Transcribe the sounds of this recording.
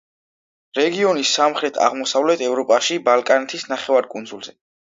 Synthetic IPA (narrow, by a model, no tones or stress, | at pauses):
ɾɛɡiɔnisːamχɾɛt̪ʰa̰ʁmɔsavlɛt̪ʰɛvɾɔpʼaʃibalˠkʼanɛt̪ʰisnaχɛvaɾkʼund̪zulˠzɛ